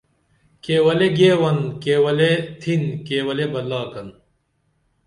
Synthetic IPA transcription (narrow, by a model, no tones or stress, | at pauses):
keːwɐleɡeːwɐnkeːwɐlet̪ʰinkeːwɐlebɐlːaːkɐn